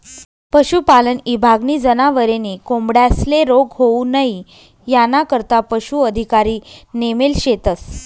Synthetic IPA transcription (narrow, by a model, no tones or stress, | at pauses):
pəɕupalənibʱaɡniːd͡zənaʋəɾeniːkombɽjasleɾoɡɦounəɦi | janakəɾt̪apəɕuəd̪ʱikaɾiːnemelɕet̪əs